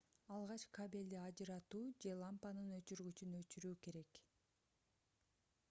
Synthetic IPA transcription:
ɑlˠʁɑt͡ʃkʰabʲelʲd̪eɑd͡ʒɯɾɑt̪uːd͡ʒe̞lˠampanɯnø̞t͡ʃyɾɡyt͡ʃynøt͡ʃyɾyːke̞ɾe̞k

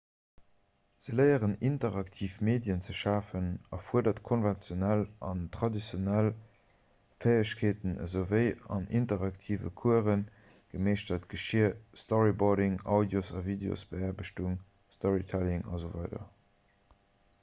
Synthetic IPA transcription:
z̥ələɪəʁənintəʁɑktʰiːfmeːdjənt͡səʃaːfənɑfuədɐtkʰonvɛnt͡sjonælʔɑntʁɑdit͡sjonæl | fəɪəɕkʰeːtənə̰zoʊvəɪɑ̰nintəʁɑktʰiːvə̰kʰuəʁən | ɡ̥əmeːʃtətɡ̥əʃiəstɔʁibɔɾɪŋɑʊdjosɑviːdeo̰sb̥əɛɐbəɕtuŋ | stɔʁitʰælɪŋɑ̰zovɑɪdɐ̰

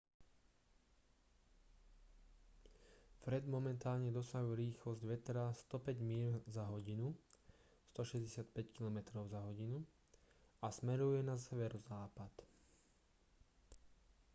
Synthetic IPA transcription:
fɾɛd̪mɔmɛnt̪aːlɲɛd̪ɔsaɦuɾiːxlɔzɟʋɛt̪ɾast̪ɔpɛɟmiːzaɦɔɟinu | st̪ɔʃɛzɟɛsɪat̪pɛckilɔmɛt̪ɾɔʊzaɦɔɟinu | asmɛɾujɛnasɛʋɛɾɔzaːpat̪

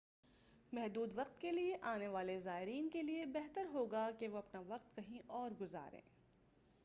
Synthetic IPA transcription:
mɛɦd̪uːd̪ʋɐq̚t̪kelieʔaːneʋaːlezaːɪɾiːnkeliebɛɦt̪əɾɦoːɡakeʋoɐpnaʋɐq̚t̪̚kɐɦĩʔɔːɾɡʊza̰ːɾḛ̃ː

